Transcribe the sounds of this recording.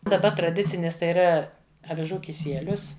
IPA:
dɐˈbɐ trɐˈdʲɪt͡sʲɪnʲɪs tɐɪ iːˈrɐ ɐʋʲɪˈʒuː kʲɪˈsʲiɛlʲʊs

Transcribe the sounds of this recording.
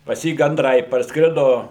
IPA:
pɐs ˈjiː ɡɐnˈdrɐɪ pɐrsˈkrʲɪdoː

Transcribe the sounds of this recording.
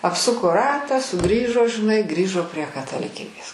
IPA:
ɐpˈsʊkoː ˈrɑːtɑː sʊˈɡrʲiːʒoː ʒʲɪˈnɐɪ ˈɡrʲiːʒoː pʲrʲiɛ kɐtɐlʲɪˈkʲiːbʲeːs

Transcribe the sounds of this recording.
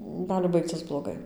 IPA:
ˈɡɑːlʲɪ ˈbɐɪkt͡sʲɪs blˠoːˈɡɐɪ

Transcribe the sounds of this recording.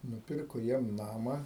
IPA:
nʊˈpʲɪrkoː ˈjiɛm ˈnɑːmɐ

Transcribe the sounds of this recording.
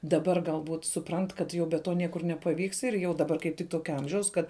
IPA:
dɐˈbɐr ɡɐlˠˈbuːt sʊˈprɐnt kɐt ˈjɛʊ bʲɛ ˈtoː ˈnʲiɛkʊr nʲɛpɐˈʋʲiːks ɪr ˈjɛʊ dɐˈbɐr kɐɪp ˈtʲɪk ˈtoːkʲɛ ˈɐmʲʒʲɛʊs ˈkɐt

